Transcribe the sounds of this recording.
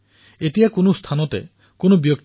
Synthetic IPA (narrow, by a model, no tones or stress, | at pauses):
et̪iakonost̪ʰanɔt̪ḛ | konobjɔk̪̚